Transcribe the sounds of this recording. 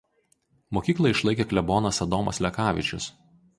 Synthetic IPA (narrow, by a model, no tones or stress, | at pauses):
moːkʲiːklˠɐɪʃlˠɐɪkʲeklʲɛbɔːnɐsɐd̪ɔmɐslʲɛkɑːʋʲɪ̰t͡ʃʲʊs